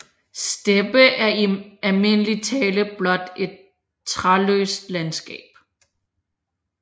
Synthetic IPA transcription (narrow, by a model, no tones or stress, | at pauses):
sd̥eb̥əʔæɐiælme̝n̰əlit͡sʰɛːləb̥lɒ̽d̥e̝d̥̚ | t͡sʰʁɑlø̰ːsd̥lænsɡ̥ɛ̰ːb̥̚